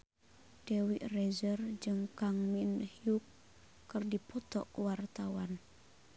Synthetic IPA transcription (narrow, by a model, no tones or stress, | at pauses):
d̥ewiʔ̪rɛzərd͡ʒɨŋkaŋminhiukː | ərdipɔt̪ɔ̰kəwart̪awan